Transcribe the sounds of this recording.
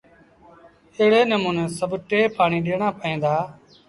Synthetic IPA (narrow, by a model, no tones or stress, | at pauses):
əɦɽeːnəmũːnẽːsəbʈeːpaːɳiːɗeːɳãːpəĩːnd̪aː